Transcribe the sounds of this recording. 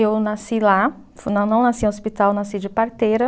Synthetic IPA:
ewnasila | fnɐ̃nɐ̃w̃nasiaospit̪awenasid͡ʒɪpaɾt̪ejɾɐ

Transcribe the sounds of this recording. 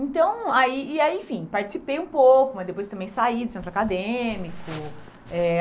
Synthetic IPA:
ẽt̪ɐ̃w̃aiːaiẽfĩpaɾt͡ʃi̥sipejũpokʊmɐzd̪epojst̪ɐ̃mbẽj̃said̪ʊsẽnt̪ɾakad̪emikʊ | ɛ

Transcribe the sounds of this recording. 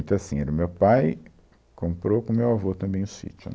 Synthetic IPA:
j̃t̪ʊasĩɛɾʊmewpaj | kõmpɾokõmewavot̪ɐ̃mbẽj̃ʊsḭt͡ʃʊ̰

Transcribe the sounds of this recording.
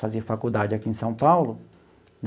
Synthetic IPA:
fazeɾfakud̪ad͡ʒɪakiẽsɐ̃w̃pawlʊ | n

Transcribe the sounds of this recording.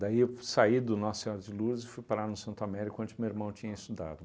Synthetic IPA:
d̪aiesaid̪ʊnɔsseoɾd͡ʒɪluɾzɪfujpaɾanʊsɐ̃nt̪ʊamɛɾikʊɐ̃nt͡ʃɪmeweɾmɐ̃w̃t͡ʃĩɲɐist̪ud̪a̰d̪ʊ

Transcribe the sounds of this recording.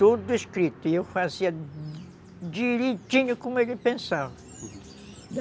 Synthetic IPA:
t̪od̪ʊiskɾit̪ʊiewfaziɐ | d͡ʒiɾet̪ĩɲʊkõmʊelɪpẽsavɐ | d̪

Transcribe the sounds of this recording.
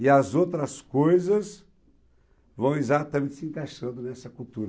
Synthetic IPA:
ɪɐzowt̪ɾɐskojzɐs | vɐ̃w̃izat̪ɐmẽnt̪ɪsɪẽŋkaʃɐ̃nd̪ʊnɛsɐkult̪uɾɐ

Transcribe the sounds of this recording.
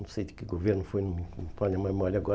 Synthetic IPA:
ɐ̃sejd̪ɪkɪɡoveɾnʊfojnũĩpaɲɐmajmɔlʲɐɡɔ

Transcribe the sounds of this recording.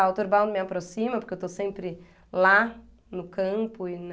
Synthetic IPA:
awt̪oɾbãw̃d̪ʊmɪapɾosĩmɐpoɾkewt̪osẽmpɾɪ | la | nʊkɐ̃mpʊɪn

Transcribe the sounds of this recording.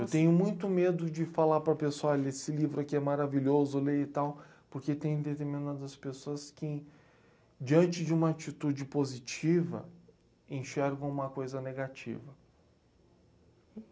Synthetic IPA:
ewt̪ẽɲ̃ʊmũj̃t̪ʊmed̪ʊd͡ʒɪfalaɾpɾɐpesoalesɪlivɾʊkɪɛmaɾaviʎozʊleɪt̪awpoɾket̪ẽj̃d̪et̪eɾmĩnad̪ɐspesoɐskɪ | d͡ʒiɐ̃nt͡ʃɪd͡ʒɪũmɐat͡ʃit̪ud͡ʒɪpozit͡ʃivɐ̰ | ẽʃɛɾɡɐ̃w̃ũmɐkojzɐneɡat͡ʃḭvɐ

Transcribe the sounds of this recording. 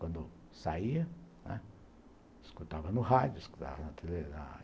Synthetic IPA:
kʷand̪o | saia | ã̰ | skut̪aβanũɦajusku̥t̪a̰anãt̪elenã̰

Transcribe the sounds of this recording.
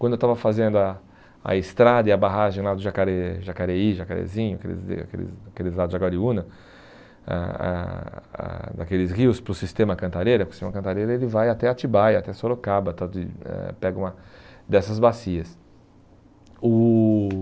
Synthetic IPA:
kwɐ̃d̪ʊewt̪avɐfazẽnd̪ʊa | a̰ɪst̪ɾad̪ɐɪɐbaɦaʒẽj̃lad̪ʊʒakaɾeʒakaɾeiʒakaɾḛzĩɲʊa̰kḛlɪ̰z̰a̰kḛlɪ̰zakelɪzlad̪ʊzd͡ʒaɡaɾiũnɐ | a̰a̰a̰d̪akelɪsʁiʊspɾʊsist̪ẽmɐkɐ̃nt̪aɾejɾɐpɾkst̪ẽmɐkɐ̃nt̪aɾejɾɐelɪvajat̪ɛat͡ʃibajat̪ɛsoɾokabɐt̪at̪ɪ̰ɛ̰pɛɡɐũmɐd̪ɛsɐzbasiɐs | ʊ

